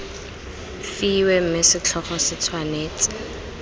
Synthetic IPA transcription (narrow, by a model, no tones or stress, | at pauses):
fiwɛm̩mɪsɪt͡ɬʰɔχɔsɪt͡sʰwaneːt͡sʼɪ̥